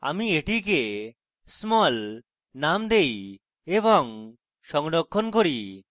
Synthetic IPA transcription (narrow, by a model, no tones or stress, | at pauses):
a̰mieʈike | smɔl | namd̪ej | ebɔŋ | ʃɔŋɽokʰːonkoɾi